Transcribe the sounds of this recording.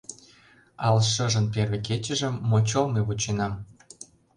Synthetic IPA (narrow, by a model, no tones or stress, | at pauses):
ɑlʃə̆ʒə̆nperveket͡ɕə̆ʒə̆mːot͡ɕolmeβut͡ɕenɑm